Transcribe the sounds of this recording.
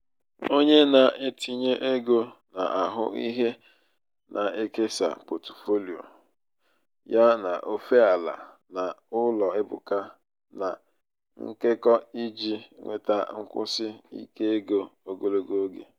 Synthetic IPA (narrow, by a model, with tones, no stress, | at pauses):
o˦ɲe˦na˨ʔe˦tʰi˦ɲe˦ʔe˦ɡo˦na˨ʔa˨ɦʊ̰˦i˦ɦe˦ | nʔa˨e˦ke˦sa̰˨po˨to̥˨fo˦li˨o̰˨ | ja˦na˨ʔo˦fe˦a˨la̰˨ | na˨ʊ˦lɔ˨ɪ˦bʊ̰˨ka˦ | na˨ | ŋ̩˦ke˦kɔ˦i˦d͡ʒi˦ŋʷḛ˨ta˦ŋ̩˦kʷʊ̰˦sɪ˦ḭ˦ke˦e˦ɡo˦o˦ɡo˦lo˦ɡo˦o˦ɡḛ˨